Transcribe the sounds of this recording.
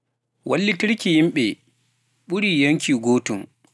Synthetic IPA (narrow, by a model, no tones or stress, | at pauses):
wʔa̰lːitiɾkʲijimɓɛ | ɓuɾiːjaŋkʲiːɡoːtum